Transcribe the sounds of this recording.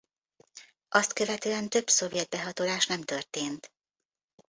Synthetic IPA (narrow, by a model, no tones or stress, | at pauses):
ʔɒst̪kø̞vɛt̪øːɛnt̪ø̞bso̞vjɛd̪̚bɛɦɒt̪olaːʃnɛmt̪ørt̪eːnt̪